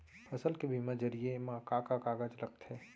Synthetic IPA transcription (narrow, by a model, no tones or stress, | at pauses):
fʰɐsəlkebʱimãd͡ʒɐɾiemãkakakaːɡəd͡ʒlɐɡ̚t̪ɦɛː